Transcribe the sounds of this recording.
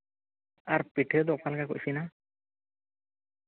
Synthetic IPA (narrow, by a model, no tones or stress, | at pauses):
aɾpiʈʰɛd̪ɔʔ̚pʰalɡakɔcsina